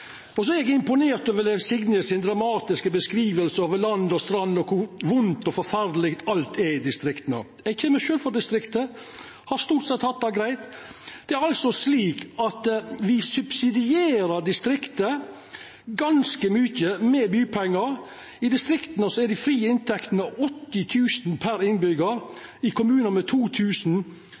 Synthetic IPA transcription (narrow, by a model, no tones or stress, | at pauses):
ɔsɔɛɾɛɡɪmpʊneːɾt̪øːʋəlɛʋsɪɡnəsɪnd̪ɾɑmɑːt̪ɪskəbəskɾiːʋəlsəoːʋəlɑnd̪ɔst̪ɾɑnːɔkʰʊɾʋʊnt̪ɔfɔɾfæɾd̪lɪkt̪ʰɑlt̪ɛɾɪd̪ɪst̪ɾɪkt̪ənə̰ | ɛçʰɛməʃøːlfɔɖɪst̪ɾɪkt̪ə | hɑɾst̪uːʈsɛt̪hɑt̪̚d̪ɑɡɾæɪt̪d̪̥ɛæɾɑlsɔsliːkɑt̪ʋɪsʉbsɪd̪ɪeːɾəɾɖɪst̪ɾɪkt̪ə | ɡɑnskəmyçəmɛbyːpʰɛŋːəɾ | ɪd̪ɪst̪ɾɪkt̪nəsɔɛd̪ɪfɾiːɪnt̪ʰɛkt̪nɑɔt̪ːɪt̪ʰʉːsn̩pʰæɾɪnbʏɡəɾɪkʰʊmʉːnəmɛt̪ʰuːt̪ʰʉːsn̩